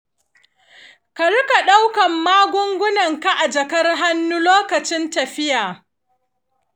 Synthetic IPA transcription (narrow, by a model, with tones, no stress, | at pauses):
ka˨ɽʊ˦ka˨ɗa˦wkɐ˨mːaː˦ɡʷʊ˦ŋɡʷʊ˦nɐ˨ŋka˨ʔa˨d͡ʒɐ˨kɐ˦rɦa˦nːu˦loː˦kɐ˨t͡ʃɪ˦ntɐ˨ɸɪ˦jaː˨